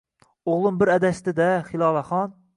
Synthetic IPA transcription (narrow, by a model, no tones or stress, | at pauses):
oʁlˠumbɪɾɛd̪ɛst̪ɪd̪ɛχilˠɑlˠɑχɑn